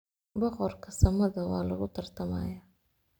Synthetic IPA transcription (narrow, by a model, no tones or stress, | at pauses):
bɔqɔɾkʰɐsɐmɐðɐwɑːlɐɣʊt̪ʰɐɾt̪ʰɐma̰ːja